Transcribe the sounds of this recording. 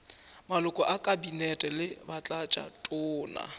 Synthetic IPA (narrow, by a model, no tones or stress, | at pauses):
malʊkʼɔʔakʼabinɛtʼɛlɪbat͡ɬʼat͡ʃʼa̰tʼʊːna̰